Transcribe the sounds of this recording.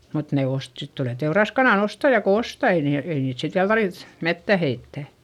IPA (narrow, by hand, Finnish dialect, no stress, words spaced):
mut ne ost sit tuleˑ teurɑskɑnɑˑn ostɑjɑ ko ostɑ ei niːl ei niːt sit ʋiæl tɑrʋiθ metːæ heitːæ